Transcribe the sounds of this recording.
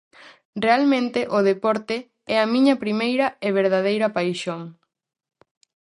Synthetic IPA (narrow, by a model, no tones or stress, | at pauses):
realmẽnt̪eʔʊð̞epɔɾt̪ɪ | ɛɐmĩɲɐpɾimejɾɐeβ̞eɾð̞aðejɾɐpajʃoŋ